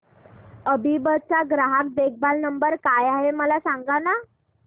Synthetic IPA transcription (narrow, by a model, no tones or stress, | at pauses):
əbibəd̪̚t͡saɡɾaɦak̚d̪ek̚ʰbalnəmbəɾkajaɦeməlasaŋɡana